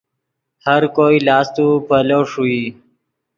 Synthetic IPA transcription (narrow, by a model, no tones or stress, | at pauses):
həɾkoːilɑːst̪upəloʂui